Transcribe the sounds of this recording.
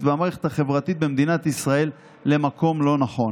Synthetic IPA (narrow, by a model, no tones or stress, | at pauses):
tbeamaeχet̪haχe̞vʁat̪it̪̚bemd̪inat̪isʁae̞lː | e̞makʰo̞mlo̞naχo̞